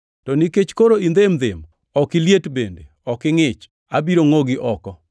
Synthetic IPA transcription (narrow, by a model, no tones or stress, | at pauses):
tɔnɪket͡ʃkoɾoind̪ɪmd̪ɪm | ɔkɪljetbendḛɔkɪŋɪt͡ʃ | abiɾoŋoɡɪʔɔkɔ